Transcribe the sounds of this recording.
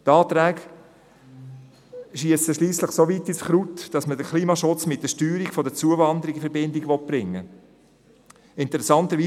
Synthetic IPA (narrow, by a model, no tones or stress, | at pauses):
t̪ɑːt̪ɾɛːɡ | ʃiəsəʃliːsləχsovitisχɾutd̥ɑsmədəkʰliːmɑʃʊt͡smɪt̚d̥əʃtyːɾiɡ̥fɔdət͡suəvɑnd̪əɾiɡifɛɾbɪndɪɡʋɔt̚b̥ɾɪŋːə | ɪntɛɾɛsɑntəɾʋiː